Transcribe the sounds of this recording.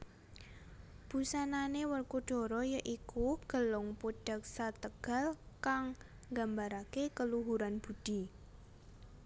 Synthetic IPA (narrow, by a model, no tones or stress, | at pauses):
b̥usananewərkuɖ̥ɔ̤ɾɔjəʔikuɡ̥ə̤lʊŋpuɖ̥a̤k̚sat̪əɡ̥a̤lkaŋ | ɡambaɾakekəluɦuɾanb̥ṳd̥i̤